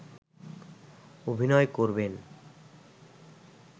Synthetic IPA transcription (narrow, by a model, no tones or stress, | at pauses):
obʱinɔekoɾben